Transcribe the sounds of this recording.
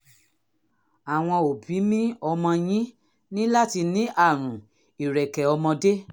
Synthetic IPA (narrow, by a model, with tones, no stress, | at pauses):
a˨w̃ɔ̃˧o˨bi˨˦mĩ˦ɔ˧mɔ̃˧j̃ĩ˦ | nĩ˦la˦ti˧nĩ˨˦ʔa˦˨ɾ̃ũ˨ | i˨ɾɛ˨kɛ˨ɔ˧mɔ̃˧de˦